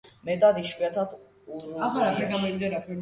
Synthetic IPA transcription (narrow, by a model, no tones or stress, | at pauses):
mɛt̪ʼad̪iʃwiat̪ʰat̪ʰ | uɾuaχaɾapʰɛɾɡamɔd̪id̪aɾapʰɛɾ